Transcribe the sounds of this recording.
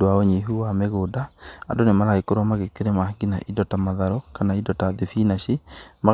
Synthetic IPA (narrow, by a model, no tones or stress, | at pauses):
oaoɲeɦuwameɣoːdaa̰ndonemaɾaɣekoɾwamaɣekeɾemaɡina̰ʔidɔtamaðaɾokanaidɔtaðefinaɕema